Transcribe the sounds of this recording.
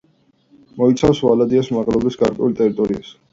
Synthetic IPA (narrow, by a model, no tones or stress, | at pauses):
mɔit̪sʰafswalad̪iasmaʁlɔbisɡaɾkʼwɛ̰ult̪ʼɛɾit̪ʼɔɾia̰s